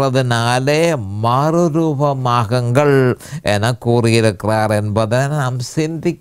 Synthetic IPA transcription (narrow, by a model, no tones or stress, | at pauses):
rɐðɯnaːleːmaːrɯɾuːbɐmaːɣɐŋɡɐɭenɐkuːrɪjɪɾɯkːraːrenbɐðɪnnɐmsind̪ʱikʲː